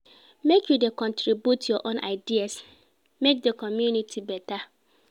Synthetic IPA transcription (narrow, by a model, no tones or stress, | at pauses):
mekjudekɔ̃ntɾibjutjɔʔõnʔa̰ɪdias | mek̚dekɔmjunitʰibɛta